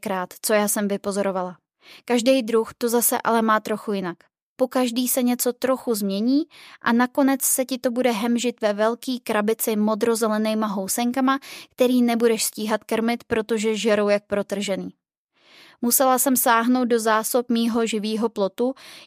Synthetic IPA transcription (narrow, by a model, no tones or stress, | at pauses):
kɾaːt̪t͡so̞jaːsɛmvɪpo̞zo̞ɾo̞vala | kaʒdɛjd̪ɾuxt̪o̞zasɛ̰ʔa̰lɛmaːt̪ɾo̞xujɪnak | po̞kaʒdiːsɛɲɛt͡so̞t̪ɾo̞xuzmɲɛɲiːʔanako̞nɛt͡ssɛcɪt̪o̞budɛɦɛmʒɪt̪vɛvɛlkiːkɾabɪt͡sɪmo̞d̪ɾo̞zɛlɛnɛjmaɦo̞wsɛŋkamakt̪ɛɾiːnɛbudɛʃsciːɦat̪krmɪt̪pɾo̞t̪o̞ʒɛʒɛɾowjak̚pɾo̞t̪r̩ʒɛniː | musɛlasɛmsaːɦno̞wt̪̚do̞zaːsopmiːɦo̞ʒɪviːɦo̞plo̞t̪u